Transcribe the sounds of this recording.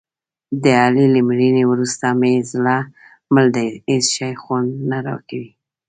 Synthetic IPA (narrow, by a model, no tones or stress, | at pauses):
d̪əɑlilimɾinewɾust̪amezlɑ | məld̪aezʃɑjxwand̪naɾɑ̰kawi